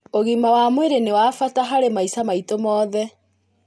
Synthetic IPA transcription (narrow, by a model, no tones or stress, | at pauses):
oɣimawamweɾenewaːfataɦaɾemaisamaitomɔːðɛ